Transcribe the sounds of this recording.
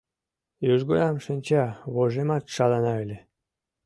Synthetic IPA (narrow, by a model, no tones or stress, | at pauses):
jyʒɡojɑmʃinʲt͡ɕɑβoʒemɑt̪ʃɑlɑnɑelʲe